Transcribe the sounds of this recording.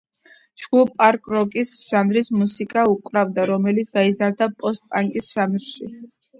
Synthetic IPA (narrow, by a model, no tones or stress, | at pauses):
t͡ʃɡ̥upʼaɾkʼɾɔkʼisʒ̥anɾismusikʼaukʼɾavd̪aɾɔmɛlit̪sʰɡ̪aizaɾd̪apʼɔst̪̚ʼpʼaŋkʼisʒ̥anɾʃḭ